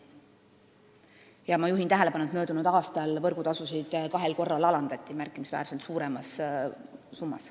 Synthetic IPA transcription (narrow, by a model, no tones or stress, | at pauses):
jɑmɑjuɦint̪æɦele̞pɑnuet̪mø̞ːd̪unud̪̥ɑːst̪ɑlvɤrɡ̥ut̪ɑsusid̪̥kɑɦe̞lko̞rːɑlɑlɑnd̪̥ɑt̪ʲːˑimærkːˑimisvæ̰ːɾselt̪suːɾemɑs | sumːɑ̰s